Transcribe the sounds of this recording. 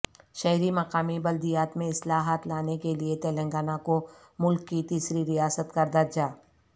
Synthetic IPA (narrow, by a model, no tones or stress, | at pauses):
ʃɐɦɾimɐqaːmibɐld̪ijaːt̪mẽɪslaːɦət̪laːnekeliet̪ɛːlɛ̃ŋɡaːnako | mʊlkːit̪iːsɾiɾijaːsət̪kɐɾd̪ɐɾd͡ʒaː